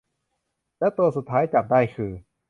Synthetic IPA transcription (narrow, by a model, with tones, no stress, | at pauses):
lɛ˦˥t̪u˧ɐsu˨˩t̪ʰːaː˦˥jt͡ɕa˨˩p̚daː˥˩jkʰɯː˧